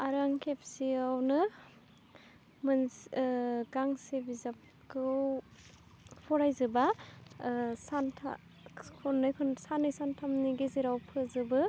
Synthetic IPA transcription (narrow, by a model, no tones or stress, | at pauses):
aɾaŋkʰepsiawnɯ | mɯns | ɡaŋsebizap̚ | kʰɯw | pʰɔɾajzɯba | santʰa̰ | kʰɔnːɯjkʰɔnsanɯjsantʰamniɡezeɾawpʰɯzɯbɯ